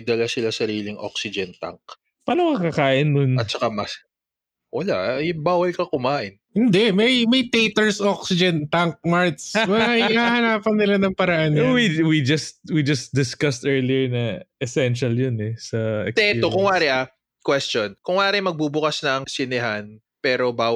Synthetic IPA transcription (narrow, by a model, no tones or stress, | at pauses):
d̪ɐlasɪlasɐɾiːlɪŋʔo̰ksɪd͡ʒɛnt̪a̰ŋk̚ | paːnoŋkɐkɐkaːʔɪnːʊnɐt̚t͡ʃɐkamɐs | wʔɐlaʔjʊŋbaːwɐlkɐkʊmaːʔɪnhɪnd̪ɛmɐjmɐjt̪ejt̪ɛɹsoksɪd͡ʒɛnt̪aŋk̚maɹt̪smɐhahɐnaːpɐnːɪlanɐŋpɐɾɐʔanɛwiwid͡ʒɐst̪̚wid͡ʒɐsd̪ɪskɐst̪ʔɛɹliɛɹnɐʔɛsɛnʃɐljonɛsɐʔɛ̰kd̪ɛɛt̪okʊŋwaːɾɪʔa | kwɛst͡ʃonkʊŋwaːɾɪmɐɡ̚bubʊkasnɐːŋsɪnɪɦan | pɛːɾobaːw